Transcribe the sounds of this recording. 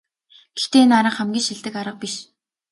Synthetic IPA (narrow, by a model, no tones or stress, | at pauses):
ɡ̥e̥xt̪eːnaɾə̆χæmɡʲiːʃiɮt̪ɘ̆kaɾə̆q̚piʃ